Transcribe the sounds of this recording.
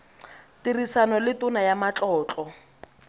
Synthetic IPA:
tirisanɔlɪtʊnajamat͡ɬʼɔːt͡ɬʼɔ

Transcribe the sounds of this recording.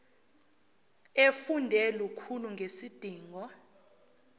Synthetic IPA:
efundʱɛlukʰuluŋɡʱesid̥ʱiːŋɔ

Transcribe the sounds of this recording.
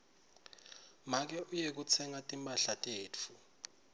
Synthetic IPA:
mak̬ɛʔujek̬ut͡sʰɛŋatʼimpʼaɬatʼeːt͡fʰu

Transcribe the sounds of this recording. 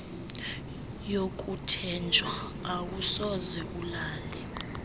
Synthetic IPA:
jokʼutʰɛnd͡ʒʱwaː | wusɔzɛulaːlɛ

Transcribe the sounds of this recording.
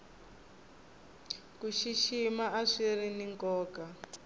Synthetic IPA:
kuʃiʃimaaʂiriniŋkɔːka

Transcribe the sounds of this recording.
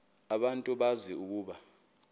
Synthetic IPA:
aɓantʼuɓaziuk̬uːɓa

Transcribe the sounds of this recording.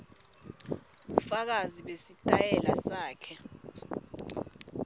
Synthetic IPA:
ɓufak̬aziɓesitʼajɛlasaːkʰɛ

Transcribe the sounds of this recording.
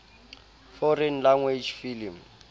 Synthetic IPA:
fɔrɛnlaŋwed͡ʒfilim

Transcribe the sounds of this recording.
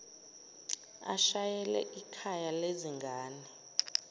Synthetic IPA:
a̰ʃajɛlɛ̰ʔikʰajaleziŋɡʱaːnɛ

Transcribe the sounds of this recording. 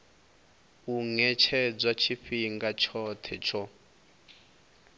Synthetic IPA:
uŋɛt͡ʃʰɛd͡zwat͡ʃʰiɸiŋɡat͡ʃʰɔtʰɛt͡ʃʰɔ

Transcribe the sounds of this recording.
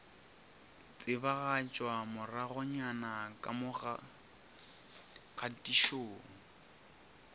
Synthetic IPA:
t͡sʼɪbaɣat͡ʃʼwamʊraɣʊɲanakʼa̰mʊɣ | ɣatʼiʃoːŋ̩

